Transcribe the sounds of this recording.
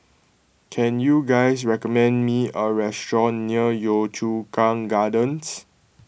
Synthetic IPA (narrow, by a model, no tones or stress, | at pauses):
kʰɛ̃njuɡajsɹɛkɔmɛ̃nmiəɹɛstɹɔ̃nːiəjɔtʰukãŋɡadə̃ns